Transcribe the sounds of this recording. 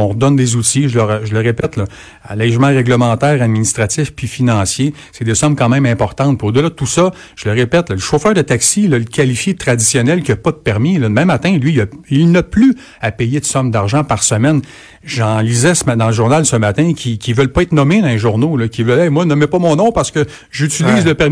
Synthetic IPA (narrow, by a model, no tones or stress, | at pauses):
ɔ̃ʁd̪ɔnd̪ezut̪iʒəlœʁʒələʁepɛt̪lɔ | lɛːʒmãʁɛɡləmɑ̃t̪ɛːʁad̪̚minist̪ʁatt͡s̪ɪfpɥifinɑ̃sje | sɛd̪esɔmkɑ̃ːmɛ̃mɛ̃pɔʁt̪ɑ̃t̪̚piod̪əlad̪ət̪usʌ | ʒ̥ələʁepɛt̪lɔləʃoːfœːʁd̪ət̪aksilɔlkʲʰalifjet̪ʁad̪isjɔnɛlkʲiɐpʌd̪əpɛʁmilɔbɛ̃mat̪ɛ̃lɥiəilnɐply | apɛjed̪əsɔmd̪aʁʒɑ̃paʁsəmɛn | ʒɑ̃lizɛsmad̪ɑ̃ləʒuʁnalsəmat̪ɛ̃kʲʰikʲivœlpɔɛt̪̚nɔmed̪ɑ̃eʒuʁnolɔkʲivœlɛmwanɔmɛpɔmɔ̃nɔ̃paʁsə̥kə | ʒyt͡siliːzləpɛʁ